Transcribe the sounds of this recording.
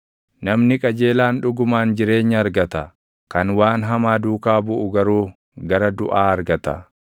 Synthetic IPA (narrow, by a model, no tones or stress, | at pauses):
nɐmnɪkʼɐd͡ʒe̞ːlaːnᶑʊɡʊmaːnd͡ʒɪɾe̞ːɲːɐːɾɡɐt̪ɐ | kɐnwaːnɦɐmaːd̪uːkaːbʊʔʊɡɐɾuː | ɡɐɾɐd̪ʊʔaːɐɾɡɐt̪ɐ̰